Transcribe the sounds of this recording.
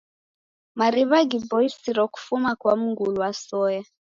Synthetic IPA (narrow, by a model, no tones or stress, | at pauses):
maɾiβaɡibɔisiɾɔku̥fumakwamuŋɡuluwasɔja